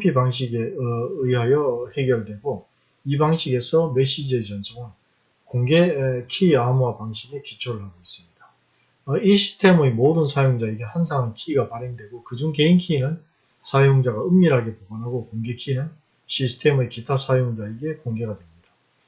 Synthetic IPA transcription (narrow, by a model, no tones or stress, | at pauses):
pʰibaŋɕ̬ʰiɡeɯjɦajʌhe̞ɡjʌɭdwe̞ɡo | ibaŋɕʰiɡe̞sʰʌme̞ɕ͈id͡ʑiet͡ɕʌnsʰoŋan | koŋɡekʰiamuwapaŋɕʰimekit͡ɕʰoɾɯɭɦaɡois͈ɯ̥mɲid̥a | ʌiɕʰi̥stʰe̞mɯemodɯnsʰajoŋd͡ʑaeɡe̞hans̬ʰaŋɦankʰiːɡapaɾe̞ŋdwe̞ɡokɯd͡ʑuŋke̞inkʰiːnɯn | sʰajoŋd͡ʑaɡaɯmɲiɾɦaɡe̞poɡanɦaɡokoŋɡe̞kʰinɯn | ɕʰisʰtʰe̞mɯekitʰasʰajoŋd͡ʑaeɡe̞koŋɡe̞ɡadwe̞mɲida